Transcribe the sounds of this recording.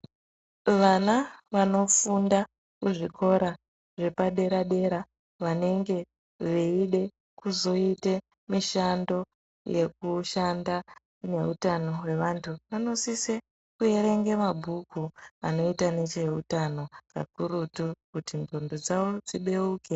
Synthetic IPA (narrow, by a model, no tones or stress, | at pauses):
ʋanaʋano̞funda | kuʐikʰo̞ɾa | ʐe̞paɗe̞ɾaɗe̞ɾa | ʋane̞ŋɡe̞ | ʋeiɗe̞ | kuzo̞ite̞ | miʃando̞ | je̞̰kuʃanda | ne̞utano̞we̞ʋantʰuʋano̞sise | kue̞ɾe̞ŋɡe̞mabʱukuano̞itane̞t͡ʃe̞utano̞ka̰kurutukutinondod͡zaʋo̞d͡ziɓe̞uːke